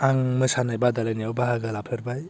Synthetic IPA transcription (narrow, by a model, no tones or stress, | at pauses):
aŋmɯsanajbadalanijawbaɦaɡalapʰɯɾbaj